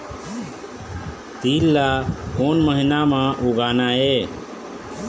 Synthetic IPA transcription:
t̪iːlːakoːnməɦinamãʔuɡaːnae

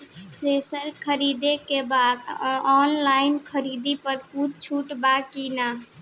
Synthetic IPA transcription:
t̪ɾesəɾkʰəɾid̪ekebad̪ɔnlajinkʰəɾid̪ipəɾkutt͡ʃʰuʈbakina

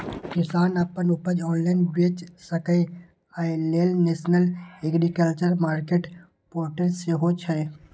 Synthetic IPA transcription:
kɪsaːnɐpənʊpəd͡ʒɔːnlaɪnbeːt͡ʃsəkəe | aːeleːlneːʃnəleːɡɾikəlt͡ʃəɾmaːɾkeːʈ | poːɾʈəɾseɦot͡ʃʰɛː

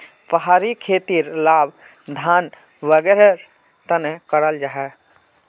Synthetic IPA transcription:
pəɦaːɾikʰeːt̪iɾlaːb | d̪ʱaːn | ʋəɡeɾeɾ | t̪ənekəɾəld͡ʒaːɦɛ

